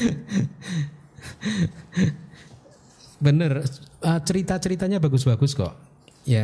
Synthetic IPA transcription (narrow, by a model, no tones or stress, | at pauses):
bənərət͡ʃəɾit̪at͡ʃəɾit̪aɲabaɡʊs̬baɡʊskɔ̰ʔ | ja